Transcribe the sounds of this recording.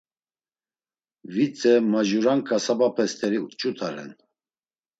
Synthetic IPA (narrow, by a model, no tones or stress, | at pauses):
vit͡sʼəmaʒuɾankʰasabapʰɛst̪ʰɛɾiut͡ʃʼut̪ʰʼaɾɛ̰n